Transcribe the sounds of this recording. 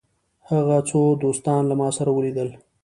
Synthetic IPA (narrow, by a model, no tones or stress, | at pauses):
haɣat͡sod̪ost̪ɑnlamɑsaɾawəlid̪əl